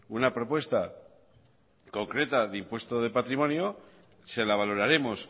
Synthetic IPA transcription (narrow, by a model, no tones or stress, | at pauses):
unapɾo̞pwe̞st̪a | ko̞ŋkɾe̞t̪aðimpwe̞st̪o̞ðe̞pat̪ɾimo̞njo̞ | se̞laβ̞aloɾaɾe̞mo̞s